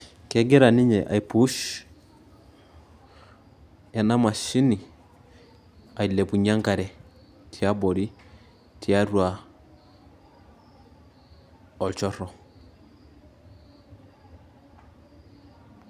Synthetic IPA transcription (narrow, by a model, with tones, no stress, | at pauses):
kɛ˦ɡɛ˦ɾa˨ni˦ɲɛ˨ʔa̰˨i˨pu˦ʃ | ja˨na˦ma˨ʃi˦ni˨ | a˨i˨lɛ˨pu˨ɲa˦ŋɡa˨ɾɛ˨ | tʰi˨a˦bɔ˨ɾi˦ | tʰi˨a˦ɾwa˨ | ɔ˨lt͡ʃɔ˦ɾɔ˨